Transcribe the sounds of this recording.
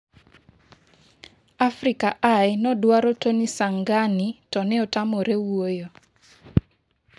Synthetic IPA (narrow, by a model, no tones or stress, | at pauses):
afɾikaʔajnɔdwaɾotonisaŋɡanitɔnɛɔtamoɾewojo